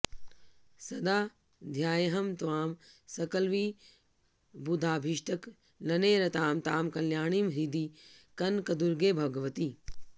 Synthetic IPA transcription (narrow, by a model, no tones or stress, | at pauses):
sɐd̪aː | d̪ʱjaːjɐɦɐmt̪ʋaːmsɐkɐlʋiː | bud̪ʱaːbʱiʃʈʰɐk | lɐneːɾɐt̪aːmt̪aːmkɐljaːɳimɾid̪iːkɐnkɐd̪uɾɡeːbʱɐɡɐʋɐt̪iː